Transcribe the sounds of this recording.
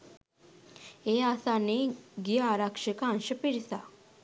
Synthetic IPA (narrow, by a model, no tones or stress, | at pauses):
easaneɡijaɾakʂəkanɕəpiɾsa